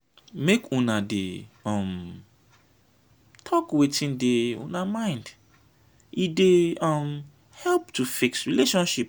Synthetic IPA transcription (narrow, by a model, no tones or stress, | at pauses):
mekũnadḛɔ̃m | tʰɔkwetĩndeṵ̃namãɪ̃nd | ideɔm | hɛlptufiksɹileʃɔ̃nʃip̚